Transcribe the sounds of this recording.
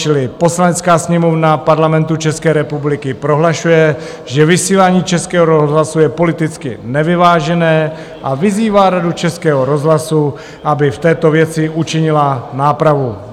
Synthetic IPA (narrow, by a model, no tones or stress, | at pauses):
t͡ʃɪlɪpo̞slanɛt͡skaːsɲɛmo̞vnapaɾlamɛnt̪ut͡ʃɛskɛːɾɛpublɪkɪpɾo̞ɦlaʃujɛ | ʒɛvɪsiːlaːɲiːt͡ʃɛskɛːɦoɾozɦlasujɛpo̞lɪt̪ɪt͡skɪnɛvɪvaːʒɛnɛː | ʔavɪziːvaːɾadut͡ʃɛskɛːɦoɾo̞zɦlasu | ʔabɪft̪ɛːt̪o̞vjɛt͡sɪʔut͡ʃɪɲɪlanaːpɾavu